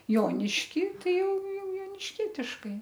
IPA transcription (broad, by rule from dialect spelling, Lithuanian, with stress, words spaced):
ˈjoːnʲɪʃʲkʲiː ˈtɐɪ ˈjɛʊ ˈjɛʊ joːnʲɪʃʲˈkʲiɛtʲɪʃkɐɪ